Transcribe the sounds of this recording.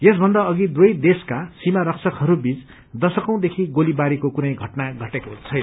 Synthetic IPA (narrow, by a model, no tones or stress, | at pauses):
jesbʱʌnd̪aʌɡid̪uʌjd̪eskasimaɾʌksʰʌkɦʌɾubit͡s | d̪ʌsʌkʌ̃w̃d̪ekʰiɡolibaɾikokunʌjɡʱʌʈnaɡʱʌʈekoɦt͡sʰʌjna